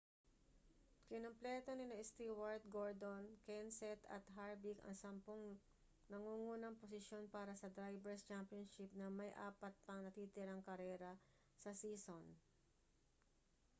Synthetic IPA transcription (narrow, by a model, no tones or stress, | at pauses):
kɪnomplɛt̪onɪnɐɪst̪iwaɹt̪̚ɡoɹd̪onkɛnsɛt̪ɐ̰t̪ɦaɹbikɐ̰ŋsɐmpoŋ | nɐŋuːŋuːnɐŋposɪʃjo̞npaːɾɐsɐd̪ɾajbɛɹst͡ʃampjonʃɪp̚nɐmɐjʔa̰ːpɐt̪̚pɐŋnɐt̪iːt̪ɪɾaŋkɐɾɛːɾɐ | sɐsiːson